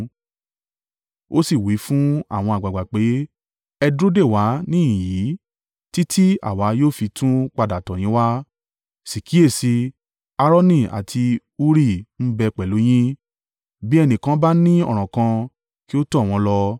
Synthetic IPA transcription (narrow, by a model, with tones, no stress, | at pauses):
o˦si˦˨wi˨˦fũ˦a̰˦˨w̃ɔ̃˧a˨ɡ͡ba˨ɡ͡ba˨k͡pe˨˦ | ɛ˧dɾo˦de˦˨wa˨˦nĩ˦ĩ˨ji˨˦ | ti˦tʰi˦a̰˨wa˨˦joː˦˨fi˧tʰũ˦k͡pa˧da˨tɔ̃˨j̃ĩ˨˦wa˦ | si˨kʰi˨˦e˦˨si˧ | a˧ɾɔ˦nĩ˦˨a̰˨tʰi˧ | u˦ɾi˦˨n̩˦bɛ˧k͡pɛ˨lo˨˦j̃ĩ˦ | bi˦ɛ˧nĩ˨kã˦ba˦nĩ˦ɔ̰˦˨ɾ̃ɔ̃˨kã˧ | ki˦o˦tɔ˦˨w̃ɔ̃˧lɔ˧